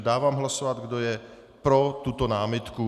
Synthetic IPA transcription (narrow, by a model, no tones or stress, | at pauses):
daːvaːmɦlasovad̪ɡdojɛ | pɾot̪ut̪onaːmɪt̪ku